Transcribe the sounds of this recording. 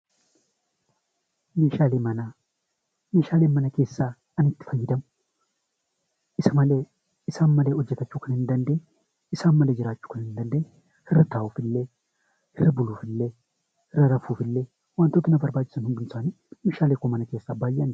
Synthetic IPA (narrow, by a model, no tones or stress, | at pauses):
meːʃaːlemɐnɐ | meːʃaːlemːɐnɐke̞ːsːaː | ɐnɪt̪ːɪ̥fɐjːɪd̪ɐm | ʔɪsɐmɐle | ɪsaːnmɐlɛɔd͡ʒːɛt̪ɐt͡ʃːʊkɐnɪnd̪ɐnd̪e | ɪsaːnmɐlɛd͡ʒɪɾaːt͡ʃːʊ̥kɐnhɪnd̪ɐnd̪e | hɪrːɐt̪aːwʊfɪlːɛ | hɪrːɐbʊluːfɪlːɛ | hɪrːɐɾɐfuːfɪlːɛ | wɐnt̪ːɔt̪ːɪnɐbɐɾbaːd͡ʒɪsɐnhʊnd̪ʊnsaːn | meːʃaːleːkːɔmɐnɐke̞ːsːaːbaːjɪɐn